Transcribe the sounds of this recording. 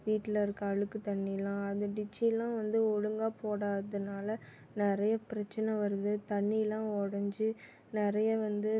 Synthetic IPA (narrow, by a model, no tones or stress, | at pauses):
ʋiːʈːɪlɐɪɾɯkːɯɐɻɯkːɯt̪ɐɳːijɪlãːɐðɯɖɪt͡ʃːilãːʋɐnd̪ɯɔɻɯŋɡaːpoːɽaːðɯnaːlɐ | nɪɾɐjɐpɪɾɐt͡ʃːɐnɐʋɐɾɯðɯt̪ɐɳːiɪlãːɔɽɐɲd͡ʒɯ | nɪɾɐjɐʋɐnd̪ɯ